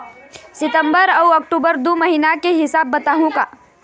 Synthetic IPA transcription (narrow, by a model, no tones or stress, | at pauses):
sɪt̪ə̃mbəɾɐwɐk̚ʈuːbəɾd̪omɐɦiːnakeɦɪsaːbːɐt̪aːɦũkaː